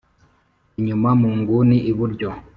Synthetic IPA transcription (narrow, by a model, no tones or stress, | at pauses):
iɲumamuŋɡuniʔiβuɾd͡ʒɔ